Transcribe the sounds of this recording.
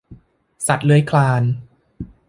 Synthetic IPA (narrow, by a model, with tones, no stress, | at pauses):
sa˨˩t̪̚lɯː˨˦jkʰlaː˧n